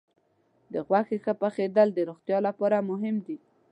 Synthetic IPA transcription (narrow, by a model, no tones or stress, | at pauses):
d̪əɣwaxexəpəxed̪əld̪əɾoxt̪jɑlapɑɾamʊɦɪmd̪i